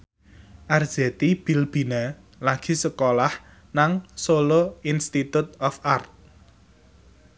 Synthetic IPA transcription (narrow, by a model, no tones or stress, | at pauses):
ʔar̥z̥ɛt̪ib̥i̤lb̥i̤na | laɡ̥i̤səkolah | naŋsoloinst̪it̪ut̪̚ɔfʔart̪̚